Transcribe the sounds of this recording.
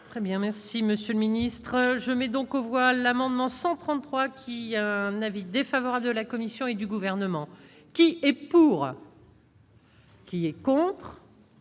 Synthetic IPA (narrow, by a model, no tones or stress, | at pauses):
t̪χɛbjɛ̃mɛʁsiməsjøləminist̪χəʒəmɛd̪ɔ̃kovwalamɑ̃d̪mɑ̃sɑ̃t̪χɑ̃t̪χwakʲʰiaɛ̃navid̪efavɔʁabld̪əlakɔmisjɔ̃ed̪yɡuvɛʁnəmɑ̃ | kʲiɛpuʁ | kʲiɛkɔ̃t̪χ